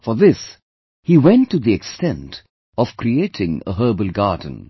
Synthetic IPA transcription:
fɔðɪs | hiwɛ̃ntːuðiɛkstɛ̃nt | ɔv̥kɾietʰɪ̃ŋə̰ɦɜ˞bəlˠɡaːdⁿə̃n̩

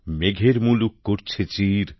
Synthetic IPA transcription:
meɡʱeɾmulukːoɾt͡ɕʰet͡ɕiɾ

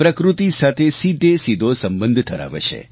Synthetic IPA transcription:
pɾəkɾut̪isat̪ʰesid̪ʱesid̪ʱosəmbə̃nd̪ʱt̪ʰəɾa̰ʋḛt͡ʃʰḛ

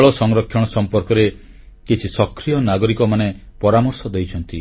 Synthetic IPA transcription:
ɭɔsɔŋɾɔkʰjɔɽ̃ɔsɔmpɔɾkɔɾe | kit͡ʃʰisɔkɾijɔnaɡɔɾikɔmanepɔɾamɔɾsɔd̪ejt͡ʃʰɔnt̪i

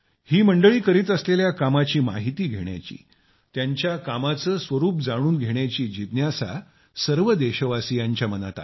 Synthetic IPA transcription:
hiːməɳɖəɭiːkəɾiːt̪əsleljakamat͡ɕiːma̰ɦit̪iːɡʱeɽ̃ja̰t͡ɕḭː | t̪jaɲt͡ɕjakamat͡səːsʋəɾuːp̚d͡zaɽ̃uːnɡʱeɳjat͡ɕiːd͡ʑit̪njasa̰ | səɾʋəd̪eɕəʋasijaɲt͡ɕjaməna̰t̪a̰

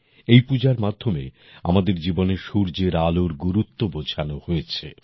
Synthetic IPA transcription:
ejpud͡ʑaɾmad̪ʱːomḛ | a̰mad̪eɾd͡ʑiboneɾʃuɾd͡ʑeɾaloɾɡuɾut̪ːobot͡ɕʰanohojet͡ɕʰḛ

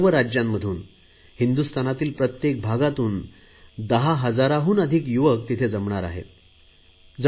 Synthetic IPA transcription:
ʋəɾad͡ʑjamːəd̪ʱuːn | hind̪ust̪anat̪iːlpɾət̪jek̚bʱaɡat̪uːn | d̪əɦaɦəd͡zaɾaɦuːnəd̪ʱiːkjuʋəkt̪it̪ʰed͡zəmɳaɾa̰ɦḛt̪̚ | d͡z

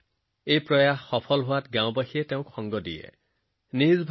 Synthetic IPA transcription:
ejpɹɔjaɦxɔpʰɔlɦʊatɡãʊ̃baxiɛteʊ̃kʰɔŋɡɔdḭjɛ̰ | nizbʱ

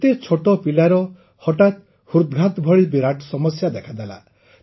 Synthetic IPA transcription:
t̪et͡ʃʰoʈɔpilaɾɔ | hɔʈat̪ | huɾd̪ɡʱat̪bʱɔɭibiɾaʈɔsɔmɔsjad̪ekʰad̪ala̰

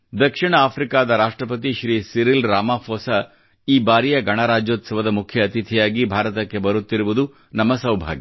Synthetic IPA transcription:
d̪ɐkʂiɳɐaːpʰɾikaːd̪ɐɾaːʂʈɾɐpɐt̪̬iʃɾiːsiɾilɾaːmaːpʰoːsɐ | iːbaːɾijɐɡɐɳaːɾaːd͡ʒjoːt̪sɐʋɐd̪ɐmukʰjɐːt̪it̪ʰijaːɡibʱaːɾɐt̪ɐkːe̞bɐɾut̪ːiɾuʋud̪u | nɐmːɐsɐwbʱa̰ːɡi

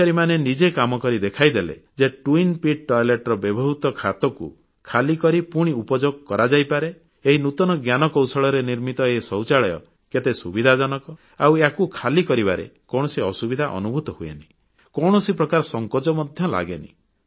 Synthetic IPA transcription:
aɾimanenid͡ʒekamɔkɔɾid̪ekʰajd̪elḛd͡ʒeʈuinpiʈ̚ʈɔjleʈɔɾɔbebʱɔɦut̪ɔkʰat̪ɔkṵ | kʰalikɔɾipuɽ̃iupɔd͡ʒoɡ̚kɔɾad͡ʒajpaɾe | eɦinut̪ɔnɔɡjanɔkɔwsɔɭɔɾeniɾmit̪ɔesɔwt͡ʃaɭɔjɔ̰ | ket̪esubid̪ʱad͡ʒɔnɔkɔ | a̰weakukʰalikɔɾibaɾḛkɔɳɔsiɔsubid̪ʱaʔɔ̰nubʱut̪ɔɦuḛni̥ | kɔɽ̃ɔsipɾɔkaɾɔsɔŋkɔd͡ʒɔmɔd̪ʱjɔla̰ɡenḭ

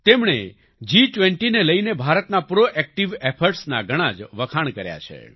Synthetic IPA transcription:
t̪emɳ̃ḛ | d͡ʒiʈʋeɳʈineləinebʱaɾət̪napɾoʔɛk̚ʈiʋepʰəɾʈsnaɡʱəɽ̃ad͡ʒʋəkʰaɳ̃kəɾja̰t͡ʃʰḛ

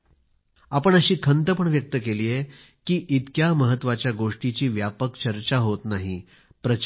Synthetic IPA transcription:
apəɳəɕiːkʰənt̪əpəɳʋjək̚t̪əkeliːje | kiːʔit̪kjaməɦət̪ːʋat͡ɕjaɡoʂʈit͡ɕiːʋjapəkt͡ɕəɾt͡ɕaɦot̪naɦi | pɾət͡ɕ

